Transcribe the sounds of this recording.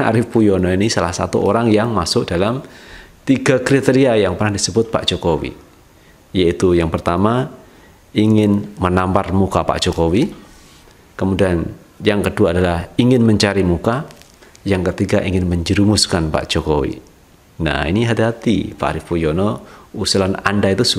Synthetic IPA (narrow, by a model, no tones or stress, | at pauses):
a̰ɾɪfpujɔnɔinisalahsat̪ṵʔoɾaŋjaŋmasʊk̚d̥alamt̪iɡakɾit̪eɾiajaŋpərnahdisəbʊt̪̚pa̰ʔd͡ʒ̥okowḭ | jait̪ujaŋpərt̪ama | iŋɪnmənamparmukapa̰ʔd͡ʒ̥okowi | kəmudian | jaŋkəduaːdalahiŋɪnməɲt͡ʃaɾimuka | jaŋkət̪iɡaʔiŋɪnməɲd͡ʒəɾumʊskanpa̰ʔd͡ʒ̥okowḭ | na̰hḭniɦat̪iɦat̪ḭpa̰ʔɾifujɔnɔusulana̰ndait̪usu